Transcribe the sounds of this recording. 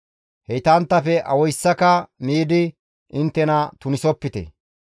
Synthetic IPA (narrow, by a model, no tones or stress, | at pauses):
hɛjt̪ɐnt̪ːɐfɛʔɐwɔjsːɐkɐmiːd̪ɪ | ʔɪnt̪ːɛnɐt̪ʊnɪsɔpːɪt̪ɛ̰